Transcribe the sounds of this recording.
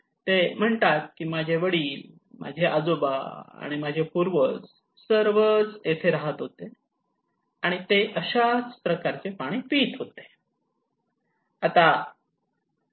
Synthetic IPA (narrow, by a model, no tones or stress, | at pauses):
t̪em̤əɳt̪at̪̚kiːmad͡ʑʱeʋəɽiːl | mʔa̰d͡ʑʱeʔa̰d͡zoba̰a̰ɽ̃imad͡ʑʱepuɾʋət͡s | səɾʋəd͡zet̪ʰeɾaɦət̪ɦot̪e | aɽ̃it̪eʔəɕat͡spɾəkaɾt͡sepaɽ̃ipiːt̪ɦot̪e̥ | at̪a